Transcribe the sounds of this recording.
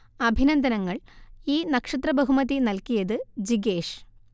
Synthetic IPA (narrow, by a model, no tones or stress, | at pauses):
ɐbʱinɐnd̪ʱɐnɐŋːɐɭiːnɐkʂɐt̪̬rɐbɐɦumɐðinɐlkijɐðɨd͡ʑiɡeːʂ